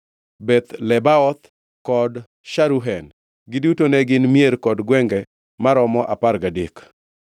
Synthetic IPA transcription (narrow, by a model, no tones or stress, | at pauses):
bɛt̪lɛbaɔt̪ | kɔd | ʃaɾuɦɛn | ɡɪdutonɛɡɪnmjeɾkɔdɡwɛŋɡɛ | maɾɔmɔʔaparɡadik